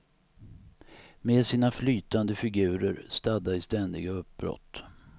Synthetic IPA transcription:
meːd̪siːnaflyːt̪and̪əfɪɡʉ̟ːɾəɾst̪ad̪ːaɪst̪ɛnd̪ɪɡaɵp̚bɾɔ̰t̪ː

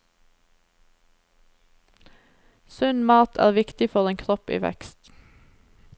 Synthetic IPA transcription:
sʉnmɑːt̪ʰæ̰ːʁʋɪkt̪ɪfɔʁeːŋkʰʁɔpḭːʋɛ̰kst̪

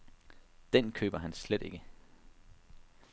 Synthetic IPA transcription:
d̥enkʰø̰ːb̥ɐɦænsled̥e̝ɡ̥ə

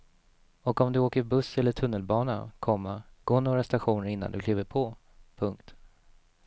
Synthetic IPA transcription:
ɔkɔmd̪ɵoːkəbɵsːɛlːəʈʰɵnːəlbɑːnakʰɔmːaɡ̥oːɳoːɾast̪aɧuːnəɾɪn̪ːa̰nd̪ɵkliːvəɾpʰɔ | pʰɵŋkt̪

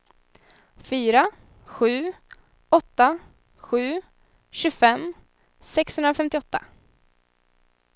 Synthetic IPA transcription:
fyːɾa | ɧʉ̟ː | ɔt̪ːa | ɧʉ̟ː | ɕɵfɛm | sɛkshɵnd̪ɾafɛmt̪ɪɔt̪ːa̰

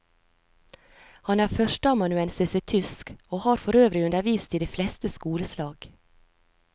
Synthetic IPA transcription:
hɑnæːɾfœʃʈəɑmɑnʉɛnsɛsɛt̪ʰʏskoːhɑːɾfɔɾøːʋɾɪʉnd̪əɾʋiːst̪ʰɪd̪eːflɛst̪əskuːləslɑːɡ̥

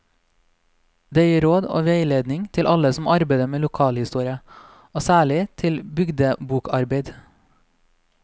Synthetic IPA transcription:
d̪eːjiːɾoːd̪o̰ːʋeɪleːd̪nɪŋt̪ʰɪlʔɑləsmɑɾbeɪd̪əmeːlʊkʰɑːlhɪst̪uːɾɪə | oːsæːɭɪt̪ʰɪlbʏɡd̪əbuːkʰɑɾbeɪd̪

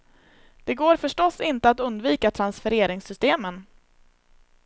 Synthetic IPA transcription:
d̪̥ɛɡoːɾfœʂʈɔsːɪnt̪əat̪ɵnd̪viːkat̪ʰɾansfœɾeːɾɪŋsʏst̪eːmən

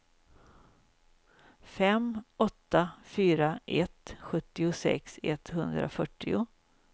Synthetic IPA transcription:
fɛmɔt̪ːafyːɾaʔɛt̪ɧɵt̪ːɪʊsɛ̰ksɛ̰t̪hɵnd̪ɾa̰fœʈːɪʊ

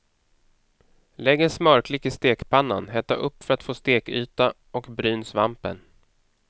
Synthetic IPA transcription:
lɛɡːəsmœɾkʰlɪkɪst̪eːkpʰanːa̰nɦɛːt̪aʔɵpːfœɾat̪foːst̪eːky̰ːt̪a | ɔkbɾyːnsvampə̰n

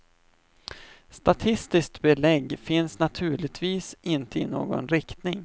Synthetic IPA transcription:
st̪at̪ʰɪst̪ɪskt̪bɛlɛɡːfɪnsnat̪ʰʉ̟ːɭɪɡ̚t̪ʰviːsɪnt̪əɪno̰ːɡɔ̰nɾɪkt̪nɪŋ

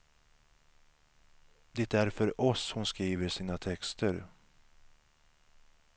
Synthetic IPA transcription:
d̪ɛt̪æɾfœɾɔshʊnskɾiːvəʂiːnat̪ʰɛkst̪əɾ

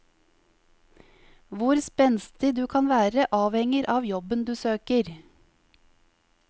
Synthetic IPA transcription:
ʋʊɾspɛnst̪ɪd̪ʉːkʰɑnʋæːɾəʔɑːʋhɛŋəɾʔɑːʋjɔbənd̪ʉːsøːkəɾ

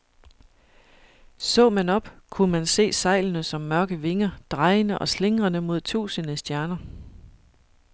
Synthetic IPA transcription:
sɔ̰̽ːmænɒ̽b̥kʰunmænse̝̰ːsɑ̈ɪ̰lnəsɒ̽mːɶɐɡ̥əʋe̝ŋɐd̥ʁɑ̈ɪənəʔɒ̽sle̝ŋʁɐnəmo̝ð̞̰ˠt͡sʰṵːsənəsd̥jæɐnɐ

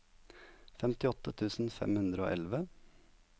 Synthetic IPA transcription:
fɛmt̪ɪɔt̪ət̪ʰʉːsn̩fɛ̰mhʉnd̪ɾəo̰ːʔɛlʋə

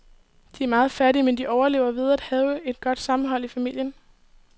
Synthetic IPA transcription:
d̥iæɐmɑ̈ːð̞̩ˠfæɐɾiəmend̥iʔɒʊɐle̝ʊ̰ɐʋið̞ˠæd̥hɛːʊəe̝d̥ɡ̥ɒ̽d̥sɑ̈mn̩ɦɒ̽l̰ifæmil̰jən

